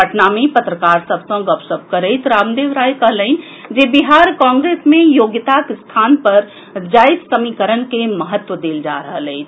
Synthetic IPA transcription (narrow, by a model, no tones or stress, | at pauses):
əʈnamepət̪ɾəkaɾsəbʱsə̃ɡəpsəb̚ʱkəɾəjt̪ɾamd̪eʋɾajkəɦləɪn̆ | d͡ʒebiɦaɾkɔ̃ŋɡɾesmejoɡt̪akst̪ʰanpəɾ | d͡ʒajd̪səmikəɾənkeməɦət̪wʋəd̪eld͡ʒa̰ɾəɦələɪt͡ʃ̪ʰ